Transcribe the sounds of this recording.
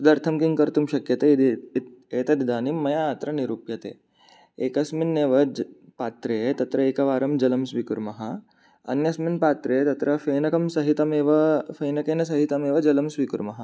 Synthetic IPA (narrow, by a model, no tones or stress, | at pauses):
sud̪ɐɾt̪ʰɐmkiŋkɐɾt̪umʃɐkjɐt̪ed̪eːt̪ɐd̪id̪aːnimːɐjaːt̪ɾɐniɾupjɐt̪ḛː | eːkɐsminːeːʋɐd͡ʒpaːt̪ɾet̪ɐt̪ɾɐeːkɐʋaːɾɐmd͡ʒɐlɐmsʋikuɾmɐɦɐ | ɐ̰njɐsminpaːt̪ɾejt̪ɐt̪ɾɐfeːnɐkɐmsɐɦit̪ɐmeːʋɐfeːnɐkeːnɐs̬ɐɦit̪ɐmeːʋɐd͡ʒɐlɐmsʋikuɾmɐɦɐ